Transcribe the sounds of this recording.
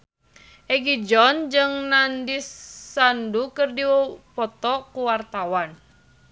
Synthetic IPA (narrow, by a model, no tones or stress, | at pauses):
ʔɛɡid͡ʒɔnd͡ʒɨŋnandisːandukɨrdiwɔpɔt̪ɔkuwart̪awan